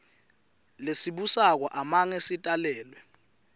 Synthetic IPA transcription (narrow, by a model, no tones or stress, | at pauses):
lesiɓusak̬waʔamaŋesitʼalɛːlwɛ